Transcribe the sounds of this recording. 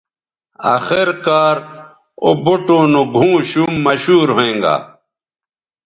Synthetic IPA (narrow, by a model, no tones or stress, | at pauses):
a̰ːxeɾkaːɾ | o̰boʈoːnõɡʱũːɕumːɐɕuːɾɦoẽːŋɡa̰ː